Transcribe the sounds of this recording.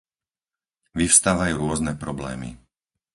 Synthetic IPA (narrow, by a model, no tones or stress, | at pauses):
ʋifst̪aːʋajuːɾʊɔznɛpɾɔblɛ̰ːmḭ